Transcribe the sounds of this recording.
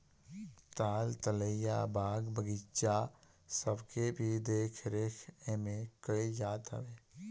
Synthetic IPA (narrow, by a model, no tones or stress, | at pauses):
t̪aːlt̪ələijabʱaːɡbəɡit͡ʃa | səbkebʱid̪eːkʰɾeːkʰemẽkəijaːt̪ə̰ʋeː